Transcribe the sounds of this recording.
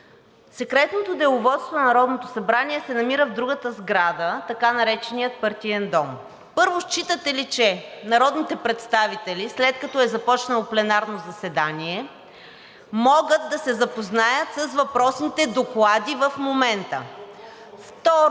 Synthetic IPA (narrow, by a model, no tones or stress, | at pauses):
sɛkɾɛt̪not̪od̪ɛʊvɔt̪st̪vonnɐɾɔd̪not̪osɐbɾaniɛsɛnɐmiɾəvd̪ɾuɡət̪əzɡɾad̪ət̪ɐkanɐɾɛt͡ʃɛnijət̪̚pɐɾt̪iɛnd̪ɔm | pɤɾvost͡ʃit̪ət̪ɛlit͡ʃɛnɐɾɔd̪nit̪ɛpɾɛt̪st̪avit̪ɛlislɛt̪̚kɐt̪ɔɛzɐpɔt͡ʃnəlˠoplɛnaɾnozɐsɛd̪aniɛ | mɔɡət̪̚d̪ɐsɛzɐpoznajət̪səsvɐpɾɔsnit̪ɛd̪oklˠad̪ivəfmomɛnt̪ə̰ | ft̪ɔ